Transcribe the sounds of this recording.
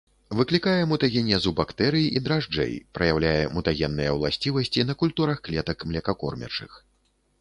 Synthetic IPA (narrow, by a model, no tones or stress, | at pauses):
vɨklʲikajɛmut̪aɣʲɛnʲɛzubakt̪ɛɾɨjiʔid̪ɾaʐd͡ʐɛ̰jpɾɐjawlʲajɛ̰mut̪aɣʲɛnːɨjɛwlˠasʲt͡sʲivɐsʲt͡sʲin̪ɐkulʲt̪uɾɐxklʲɛt̪ɐkmlʲɛkakɔ̰rmʲɛ̰t͡ʂɨ̰x